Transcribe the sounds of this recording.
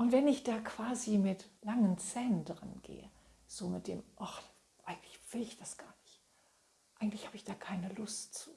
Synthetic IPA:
ʔʊntv̥ɛnɪçd̥aːkv̥aːzimɪtlaŋənt͡sɛːnndʁənɡ̥ḛːə̰ | z̥oːmɪt̚d̥ḛːmʔɔχ | ʔaɪɡŋ̩tlɪçv̥ɪlɪçd̥asɡ̥aːɐnɪçt | ʔaɪɡŋ̩tlɪçhaːbəɪçd̥aːkʰaɪnəlʊstt͡su̥ː

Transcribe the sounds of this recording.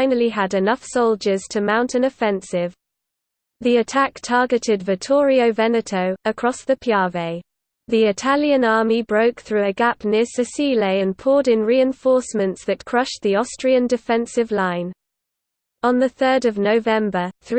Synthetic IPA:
ɪ̃nəliədɪnʌfsɒʊlˠd͡ʒəz̥tʰəmãʊ̃ntə̃nəfɛ̃nsɪv̥ | ðiətʰaktʰɑːɡɪtʰɪdvɪtʰɔːɹiəʊvɛnətʰəʊəkʰɹ̥ɒsðəpʰjɑːveɪ | ðiɪtʰaljə̃nɑːmibɹəʊkθɹʉəɡapnɪsəsiːleɪə̃npʰɔːɾɪ̃nɹiɪ̃ɱfɔˑsmə̃ntsðət̚kʰɹ̥ʌʃðiɒstɹ̥iə̃ndɪfɛ̃nsɪvlãɪ̃n | ə̃nðəθɜːdəvnəʊvɛ̃mbəθɹ

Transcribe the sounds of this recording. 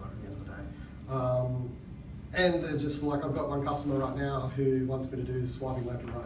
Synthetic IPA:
ɨt̪̚ðiɛ̃ndəvðədeɪ | ʌ̃m | ɨ̃nðəd͡ʒʌstlaɪkaɪvɡɑʔ̚wʌ̃nkʰʌstəmə˞ɹaɪtⁿnaʊhʉwɑ̃ntsɡ̥ʌɾɨdɨswɑvɪ̃ŋlɛtəaɪ

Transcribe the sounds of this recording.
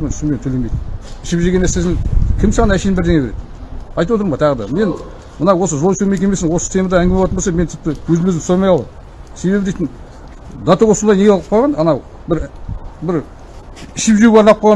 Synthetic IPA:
menʰʃment̪ʰɵle̞nmejd̪ɪnɪʃɪpʒeɡʲenesezɪŋkʲʰɪmsɑʁɑnæʃej̪bɪɾd̪eŋebeɾe̞d̪ɪ | ɑjt̪əwo̞t̪əɾmɑt̪ʰɑʁəd̪ɑ̰me̞n | mənɑwo̞s̬əʒolˠʃume̞k̬ʲeme̞sɪnwosəsɪst̪ʲe̞mɑd̪ɑæŋɡʲemet̪əmbosɑme̞nt̪ʰɪ̥p̚t̪ɪwɵzɪmɵzɪsojmɑjɑlˠɑ̰d | se̞βbe̞bɪd̪eijt̪ɪn | d̪ɑt̪oʁosonɑjneɡelʁəp̚qʰoʁɑnɑnɑw | bɪɾbɪɾ | ɪʃɪpʒeuɡɑɾnɑp̚qʰojʁɑ

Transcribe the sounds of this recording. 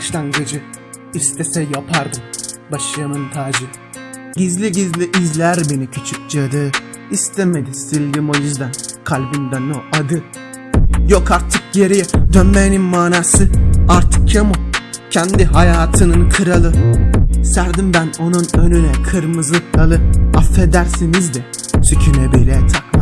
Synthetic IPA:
baʃlˠanɡɯd͡ʒɯ | ist̪ʰɛsɛjapʰaɾd̪ɯmbaʃɯjamɯnt̪ʰaːd͡ʒɯ | ɟizlʲiɟizlʲiʔizlʲæɾbenicʰy̥t͡ʃʰyk̚d͡ʒiad̪ɯ | ist̪ʰɛme̞d̪isilʲɡimo̞jyzd̪ænkʰalʲbind̪anoʔad̪ɯ | jokaɾt̪ʰɯk̚jeɾijɛd̪ønmeninmaːnaːsɯaɾt̪ʰɯ̥k̚cʰamucʰɛnd̪iɦajaːt̪ʰɯnɯnkʰɯɾalˠɯ | sæɾd̪imbæno̞nunønynɛkʰɯɾmɯzɯklalˠɯafːed̪æɾsinizd̪ɛsycʰynɛbejlʲɛjɛt̪ʰak̪ˠa

